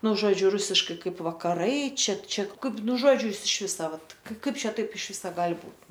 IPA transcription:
ˈnʊ ˈʒoːd͡ʒʲʊ ˈrʊsʲɪʃkɐɪ ˈkɐɪp ʋɐkɐˈrɐɪ ˈt͡ʃʲɛ ˈt͡ʃʲɛ ˈkɐɪp ˈnʊ ˈʒoːd͡ʒʲʊ ˈjɪs ɪʃ ˈʋʲɪsɐ ˈʋɐt ˈkɐɪp ˈt͡ʃʲɛ ˈtɐɪp ɪʃ ˈʋʲɪsɐ ˈɡɐlʲ ˈbuːt

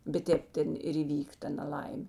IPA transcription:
bʲɛt ˈtʲeːp ˈtʲɛn ɪr iːˈʋʲiːk ˈtɐ nɐˈlˠɐɪmʲeː

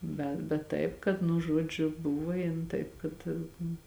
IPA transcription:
ˈbʲɛ bʲɛt ˈtɐɪp kɐt nʊ ˈʒuɔd͡ʒʲʊ ˈbʊʋɐ ˈjɪn ˈtɐɪp kɐt

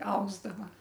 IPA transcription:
ˈɐʊzdɐʋɐ

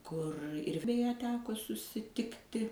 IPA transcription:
kʊr ɪr bʲɛˈjɛ ˈtʲæːkoː sʊsʲɪˈtʲɪktʲɪ

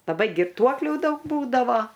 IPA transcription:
lˠɐˈbɐɪ ɡʲɪrˈtuɔklʲuː ˈdɐʊk ˈbuːdɐʋoː

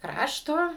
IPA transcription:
ˈkrɑːʃtoː

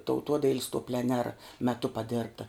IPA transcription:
tɐʊˈtuɔdɐɪlʲsʲ toː pʲlʲɛˈnʲæːrɐ mʲɛˈtʊ pɐˈdʲɪrptɐ

